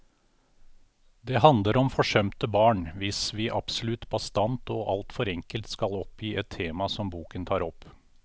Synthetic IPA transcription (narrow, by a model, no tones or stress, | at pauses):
d̪ɛːhɑnd̪ləɾɔmfɔʂœmt̪əbɑːɳʋɪsʋɪːʔɑpsʊlʉt̪bɑst̪ɑnt̪ɔːʔɑlt̪fɔɾɛŋkəlt̪skɑlɔpjiːɛt̪ʰːeːmɑsɔmbuːkənt̪ʰɑːɾɔpː